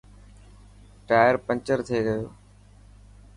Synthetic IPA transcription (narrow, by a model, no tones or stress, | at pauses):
ʈaːjəɾpə̃ɲt͡ʃəɾt̪ʰeɡəjoː